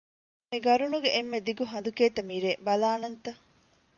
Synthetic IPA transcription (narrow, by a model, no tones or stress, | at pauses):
miɡɐɾunuɡeʔːmːed̪iɡuɦɐnd̪ukeːt̪ɐmiːɾeːbɐlaːnɐnt̪ɐ